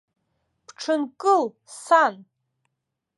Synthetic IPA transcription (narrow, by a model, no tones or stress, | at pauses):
pʰʈ͡ʂʰɨnkʼɨl | san